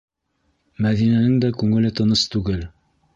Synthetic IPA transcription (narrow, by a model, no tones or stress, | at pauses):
mæðinænɘŋd̪ækʉŋɘ̆lɘt̪ɤ̆nɤst̪ʉɡɘl